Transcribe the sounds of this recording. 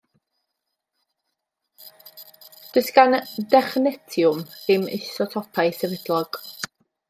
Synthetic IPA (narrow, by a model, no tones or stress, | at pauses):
d̥əsɡandɛχnɛtʰjʊmðɪmɪ̰sɔtʰɔpʰajsəvɛd̥lˠɔɡ̥